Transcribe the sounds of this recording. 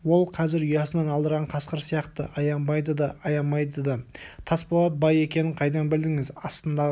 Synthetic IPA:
wo̞lˠqʰɑzɪɾʏjɑsənɑnɑlˠd̪əɾʁɑɴqʰɑsqəɾsijɑqt̪əʔɑjɑmbɑjd̪əd̪ɑɑjɑnmɑjd̪əd̪ɑt̪ʰɑspɑlˠɑt̪̚bɑje̞kʲe̞nɪɴqʰɑjd̪ɑnbɪld̪ɪŋɪzɑst̪ənd̪ɑʁ

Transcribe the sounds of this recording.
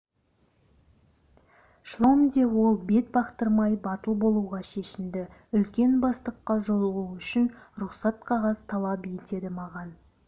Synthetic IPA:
ʃlˠomd̪ewo̞lˠbe̞t̪̚bɑqt̪əɾmɑjbɑt̪əlˠbo̞lˠuʁɑʃe̞ʃɪmd̪ɪʏlkʲe̞nbɑst̪əqːɑʒo̞lˠəʁuʏʃɪnɾʊqsɑt̪̚qʰɑʁɑzt̪ʰɑlˠɑpjet̪e̞d̪ɪmɑʁɑn

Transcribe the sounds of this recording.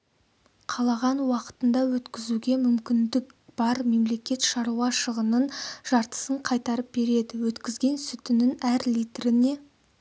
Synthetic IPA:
qʰɑlˠɑʁɑnwɑqə̥t̪ənd̪ɑwɵt̪kʲɪzuɡʲe̞mʏmkʲɪnd̪ɪkb̥ɑɾme̞mle̞kʲe̞t̪ʃɑɾuɑʃəʁənənʒ̥ɑɾt̪ə̥səɴqʰɑjt̪ɑɾəp̚be̞ɾe̞d̪ɪwɵt̪kʲɪzɡʲe̞nsʏt̪ɪnɪnæɾlʲijt̪ɾɪne̞

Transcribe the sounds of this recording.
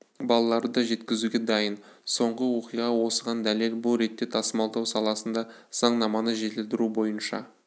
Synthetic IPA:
bɑlˠɑlˠɑɾd̪əd̪ɑʒe̞t̪kʲɪzuɡʲe̞d̪ɑjənso̞ɴʁəwo̞qijʁɑwo̞səʁɑnd̪æle̞lbʊlˠɾe̞t̪ːe̞t̪ʰɑsəmɑlˠd̪ɑwsɑlˠɑsənd̪ɑz̥ɑɴnɑmɑnəʒe̞t̪ɪld̪ɪɾubo̞jənʃɑ̰

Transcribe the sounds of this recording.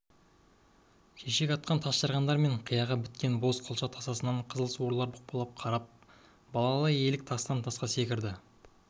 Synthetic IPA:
ʃeʃe̞kʲɑt̪̚qɑnt̪ʰɑsʃɑɾʁɑnd̪ɑɾme̞ɴqʰijɑʁɑbɪt̪kʲenbo̞zqʰolˠʃɑt̪ʰɑsɑsənɑɴqʰəzəlˠəswoɾlˠɑɾbʊq̚pɑlˠɑp̚qʰɑɾɑp̚ | bɑlˠɑɑlˠɑje̞lɪk̚t̪ʰɑst̪ɑnt̪ʰɑsqɑse̞kʲɪɾd̪ɪ

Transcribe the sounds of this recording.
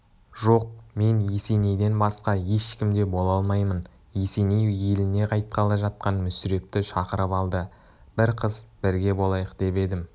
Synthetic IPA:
ʒo̞q̚me̞njesene̞jd̪e̞nbɑsqɑje̞ʃkʲɪmd̪e̞bo̞lˠɑlˠmɑjmən | jesenejelɪne̞qʰɑjt̪̚qʰɑlˠɑʒɑt̪̚qɑnmʏsʏɾe̞p̚t̪ɪʃɑqəɾəpɑlˠd̪ə | b̥ɪɾqʰəzb̥ɪɾɡʲe̞bo̞lˠɑjəqd̪̥e̞pe̞d̪ɪm

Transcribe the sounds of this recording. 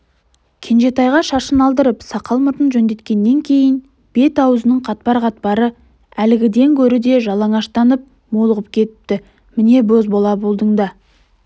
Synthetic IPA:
kʲʰe̞nʒe̞t̪ɑjʁɑʃɑʃənɑlˠd̪əɾəpsɑqʰɑlˠmət̪ənʒɵnd̪e̞t̪kʲe̞nːe̞ŋkʲʰe̞jɪn | b̥e̞t̪ɑwzənəɴqʰɑt̪̚pɑɾʁɑt̪̚pɑɾə | ælɪɡʲɪd̪e̞ŋkʲʰɵɾɪd̪e̞ʒɑlˠɑɴɑʃt̪ɑnəp̚ | molˠəʁəp̚kʲʰe̞t̪ɪ̥p̚t̪ɪ | mɪne̞bozbolˠɑbolˠd̪əɴd̪ɑ

